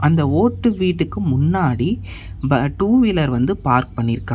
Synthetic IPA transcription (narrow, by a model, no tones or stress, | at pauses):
ʔɐnd̪ɐoːʈːɯʋiːʈːɯkːɯmʊnːaːɽi | bɐʈuːʋɪlɐɾʋɐnd̪ɯpaːɾk̚pɐɳːɪɾɯkːãː